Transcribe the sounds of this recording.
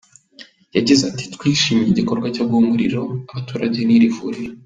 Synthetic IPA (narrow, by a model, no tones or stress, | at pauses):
jaɟizati̥tkwiːʃimiɟiko̞ɾɡwacob̚ɡumuɾḭɾo̞aβatuːɾaɟe̞niɾivṵːɾiɾ